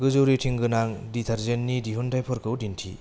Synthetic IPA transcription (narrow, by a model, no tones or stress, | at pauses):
ɡɯzoɾitʰiŋɡɯnaŋditʰɐɾzenːidiɦundajpʰɔɾkʰɯwdintʰḭ